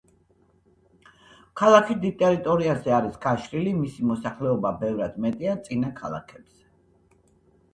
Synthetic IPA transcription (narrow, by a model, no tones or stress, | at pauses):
kʰalˠakʰid̪it̪ʼɛɾit̪ʼɔɾiazɛaɾisɡ̥aʃɾilimisimɔsaχlɛɔbabɛvɾad̪̥mɛt̪ʼiat̪sʼinakʰalˠa̰kʰɛb̥z̥ɛ